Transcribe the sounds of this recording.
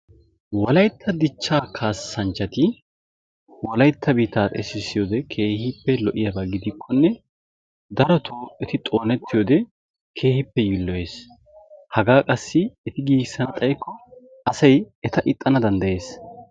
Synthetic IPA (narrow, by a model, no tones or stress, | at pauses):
wɔlɐjt̪ʰːɐd̪ɪt͡ʃːaːkʰaːsːɐnt͡ʃːɐt̪ɪ | wɔlɐjt̪ʰːɐbiːt̪aːt̪ʼɛ̰sɪsːɪjoːd̪ɛkʰe̞ːhɪpːɛlɔʔɪjɐbɐɡɪd̪ɪkʰːɔnːɛ | d̪ɐɾɔt̪ʰoːʔɛt̪ɪt̪ʼo̞ːnɛt̪ːɪjoːd̪ɛ | kʰe̞ːhɪpːɛjɪlːɔje̞ːs | hɐɡaːkʼɐsːɪɛt̪ɪɡiːɡsːɐnɐt̪ʼɐjkːɔ | ɐsɐj | ɛt̪ɐʔɪt̪ʼːɐnɐd̪ɐnd̪ɐje̞ːs